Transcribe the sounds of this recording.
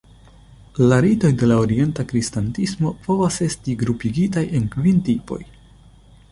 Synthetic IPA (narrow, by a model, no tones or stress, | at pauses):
laɾito̞jde̞laoɾie̞ntakɾistantismo̞po̞vase̞stiɡɾupiɡitaje̞nkvintipo̞̰j